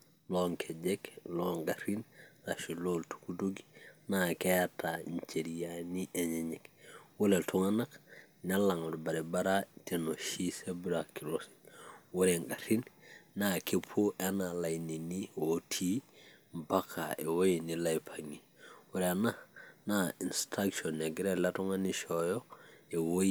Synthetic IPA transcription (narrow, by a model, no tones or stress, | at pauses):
loŋkʰeɟekloŋɡaɾinlaʃiloltu̥kuduɡinakeataɲt͡ʃeɾijaniʔeɲeɲekwoleltʰuŋanak | nalaŋodbaɾebaɾatenoʃisebuɾakilosi̥woɾeŋɡaɾinːakepʰoʔanalaininiwotʰimpakʰa̰ewojinilajpʰaŋi | woɾeananainstakʃonːeɡiɾelatuŋaniʃojoewo